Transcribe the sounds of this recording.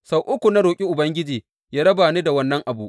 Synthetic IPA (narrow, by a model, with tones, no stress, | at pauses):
sa˨wʔʊ˦kʷu˨na˦ɾoː˨kʲʼi˦ʔʊ˨bɐ˦ŋɡʲɪ˦d͡ʒiː˨ | jaː˦ɾɐ˦baː˨niː˦da˨wɐ˦nːɐ˦ŋʔa˨bu˦ʔ